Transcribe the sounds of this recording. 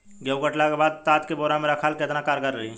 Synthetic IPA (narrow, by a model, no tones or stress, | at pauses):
ɡəwɡəʈlakebaːd̪̚t̪at̪keboɾameɾəkʰalket̪nakaɾkəɾəɦi